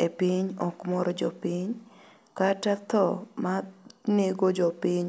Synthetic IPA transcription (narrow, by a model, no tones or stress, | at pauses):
epiɲɔkmɔɾɔd͡ʒɔpiɲ | katat̪ɔmaneɡod͡ʒɔpiɲ